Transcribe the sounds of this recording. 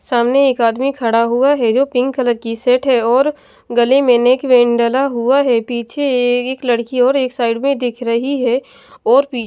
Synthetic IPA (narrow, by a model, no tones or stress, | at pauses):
saːmneeːkaːd̪mikʰɐɽaɦuaɦɛd͡ʒoːpɪ̃ŋɡkələt̪kisɛʈɦɛɔːɾ | ɡɐlemẽneːkʋẽːɳɖəlaɦuaɦɛpiːt͡ʃʰeeːklɐɽkiɔːɾeːksaːɪɖmẽd̪ɪkʰɾɐɦiɦɛ | ɔːɾpiː